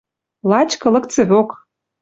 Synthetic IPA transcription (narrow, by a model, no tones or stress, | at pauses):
lɑt͡ɕkɤ̆lɤ̆kt͡sĕβok